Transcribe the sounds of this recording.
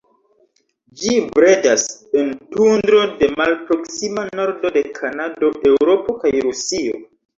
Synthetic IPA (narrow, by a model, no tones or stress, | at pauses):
d͡ʒibɾedasentundɾo̞de̞malpɾo̞ksimano̞ɾdo̞de̞kʰanado̞ʔe̞wɾo̞po̞kajɾusio̰